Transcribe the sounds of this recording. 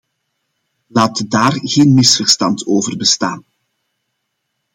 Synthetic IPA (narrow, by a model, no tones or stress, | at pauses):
laːtdaːrɣeːnmɪsfərstɑntoːvərbəstaːn